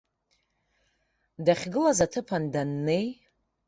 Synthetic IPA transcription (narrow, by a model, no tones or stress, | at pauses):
daχʲɡɨlazatʰɨpʰandanːe̞j